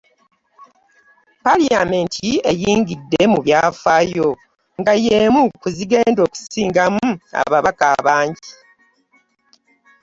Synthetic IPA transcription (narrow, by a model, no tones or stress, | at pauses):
paliame̞ntʰie̞jiːŋɡidːe̞muβjaːfajo̞ | ŋɡajemukuziɡe̞ːndo̞ːku̥siːŋɡamua̰βaβakaβaːɲɟi